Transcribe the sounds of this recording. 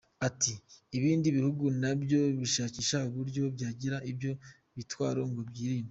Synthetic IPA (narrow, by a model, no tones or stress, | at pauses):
atiːβiːndiβihuɡunabjo̞βiʃaːciʃauβuɾɟo̞bɟaːɟiɾaʔibjo̞ | βitwaːɾo̞ŋɡo̞bɟiːɾiːno